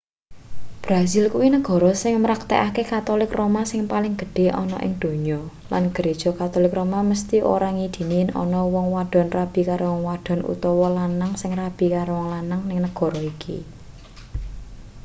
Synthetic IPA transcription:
b̥ɾasɪlkuwinəɡ̥ɔ̤ɾɔsɪŋmɾak̚t̪ḛʔakekat̪olɪkromasɪŋpalɪŋɡ̥ə̤ɖ̥e̤ʔɔnɔ̰ʔɪ̰ŋd̪̥o̤ɲɔ | la̰nɡ̥əɾed̥ʒ̥ɔ̤kat̪olɪkromaməst̪iʔo̰ɾaŋid̪̥i̤ninɔ̰nɔwɔŋwaɖ̥ɔ̤nrab̥i̤kaɾʔowɔŋwaɖ̥ɔ̤nṵt̪ɔwɔlanaŋsɪŋrab̥i̤kaɾowɔŋlanaŋnɪŋnəɡ̥ɔ̤ɾɔikʰḭ

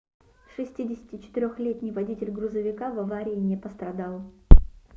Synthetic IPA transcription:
ʂɨsʲtʲidʲɪsʲɪ̥tʲɪt͡ɕɪ̥t̪ɪɾʲoxlʲet̪ʲnʲɪjvɐdʲitʲɪlʲɡɾʊzəvʲɪkavɐvaɾʲɪːnʲɪpəst̪ɾɐd̪alˠ

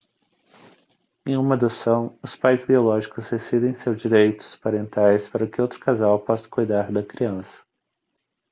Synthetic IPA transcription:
ẽj̃ũmɐd̪osɐ̃w̃ʊspajzbiolɔʒikʊzd̪esid̪ẽj̃seɾd͡ʒiɾejt̪ʊ̥spaɾẽnt̪ajspaɾɐkɪowt̪ɾʊ̥kazawpɔsɐ̥kujd̪aɾd̪ɐkɾiɐ̃sɐ̥

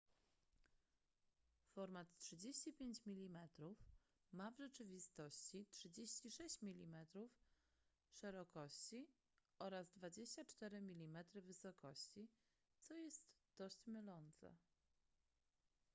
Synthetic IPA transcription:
fɔɾmat̪tʂɘd͡ʑeɕt͡ɕipʲjeɲt͡ɕmʲilʲimɛt̪ɾuf | mavʐɛt͡ʂɘvʲist̪ɔɕt͡ɕitʂɘd͡ʑeɕt͡ɕiʂɛɕt͡ɕmʲilʲimɛt̪ɾuf | ʂɛɾɔkɔɕt͡ɕi | ɔɾazd̪vad͡ʑeɕt͡ɕat͡ʂt̪ɛɾɘmʲilʲimɛt̪ɾɘvɘsɔkɔɕt͡ɕi | t̪sɔjɛst̪d̪̥ɔɕt͡ɕmɘlɔnt̪sɛ̰

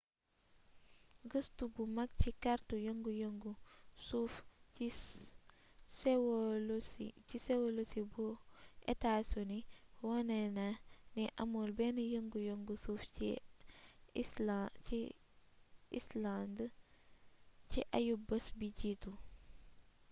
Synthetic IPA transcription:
ɡəstubumɐk̚cikaɾtujoŋɡujoŋɡusufi | swlsicisɛwolosibuʔɛ̰tasuniwɔnɛnɐnɛʔɐmɔlbɛnɐjəŋɡujoŋɡusuːfḭ | i | ḭsland | t͡ʃiʔajubɐsbiɟiːtu

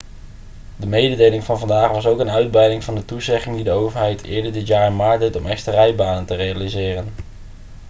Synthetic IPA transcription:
dəmejdədejlɪŋvɑnvɑndaːχʋɑsowkənœɥd̚brɛjdɪŋvɑndətuzɛχɪŋdidəowvəɹɦɛjtʰɪ̰ːɹdəɹdɪtjaːɹɪnmaːɹdejtɔmɛxstərɛjbaːnəntərejalizɪːrən

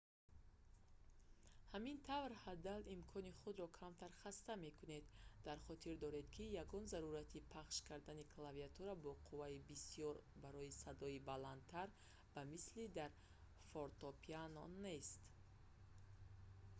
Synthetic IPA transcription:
hamint̪ʰavɾhad̪alimkʰɔniχud̪ɾɔkʰamt̪ʰaɾχast̪ame̞kʰune̞d̪̥ːaɾχɔt̪ʰiɾd̪ɔɾe̞d̪kʰijaɡɔnzaɾuɾat̪ʰipʰaχʃkʰaɾd̪anikʰlaviat̪ʰuɾabɔqʰuvaibisijɔɾbaɾɔisad̪ɔibalant̪ʰaɾ | vamislid̪aɾ | foɾt̪ɔpʰianɔne̞st̪

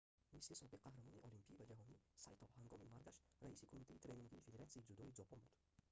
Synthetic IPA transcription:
mislisɔbiqqʰːahɾamɔniʔɔlimpʰivad͡ʒaɦɔnisajt̪ʰɔhaŋɡɔmimaɾɡaʃɾaisikʰomit̪ʰait̪ʰɾe̞niŋɡʲiːfe̞d̪e̞ɾat̪siid͡ʒud̪ɔid͡ʒɔpʰɔnbud̪

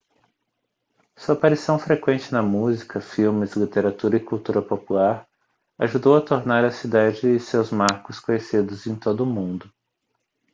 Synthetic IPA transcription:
suɐapaɾisɐ̃w̃fɾekwẽnt͡ʃɪnɐmuzikʰɐfiwmɪzlit̪eɾat̪uɾɐɪkuwt̪uɾɐpopulaɾ | aʒud̪owɐt̪oɾnaɾɐsid̪ad͡ʒɪɪsewzmaɾkʊskõɲesid̪ʊzẽj̃t̪od̪ʊːmũd̪ʊ

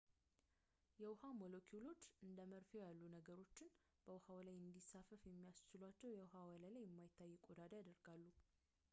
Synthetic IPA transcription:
jɛwʊhamolokʰjulo̞t͡ʃːɨnd̪əməɾfejalːunəɡəɾo̞t͡ʃːɪn | b̥əwhawlajɨnd̪isːafəfjɛmːijast͡ʃɪlwat͡ʃːɛwjɛwʊhawaləlajɛmːajɪt̪ʰːajːɛkʼod̪ad̪ajad̪əɾɡalːu

